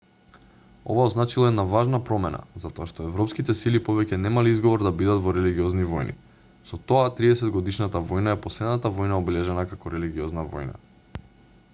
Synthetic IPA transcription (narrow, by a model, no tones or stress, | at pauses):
o̰vaɔznat͡ʃilˠaɛd̪navaʒnapɾɔmɛna̰zat̪ɔaʃt̪ɔɛvɾɔpskit̪ɛsilipɔvɛcʲɛnɛmaliizɡɔvɔɾd̪abid̪at̪vɔɾɛliɡiɔznivɔjnʔḭ | sɔt̪ɔat̪ɾiɛsɛd̪ɡɔd̪iʃnat̪avɔjnaɛpɔslɛd̪nat̪avɔjnaɔbɛlɛʒɛnakakɔɾɛliɡiɔznavɔ̰jna̰